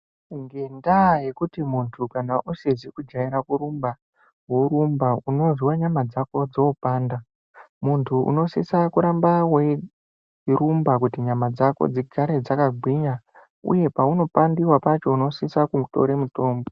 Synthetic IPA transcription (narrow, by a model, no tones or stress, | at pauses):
ŋɡe̞ndaje̞kutimuntʰukanaʔusezikud͡ʒaiɾakuɾumba | woɾumbauno̞ʐiwaɲamad͡zako̞d͡zo̞paːnda | muntʰuʔṵno̞sisakuɾambawe | rumbakutiɲamad͡zako̰d͡ziɡʰʱaɾe̞d͡zakaɡʱwiɲa | ṵje̞pauno̞pandiwapat͡ʃo̞uno̞sisakuto̞̰ɾe̞muto̞ːmbo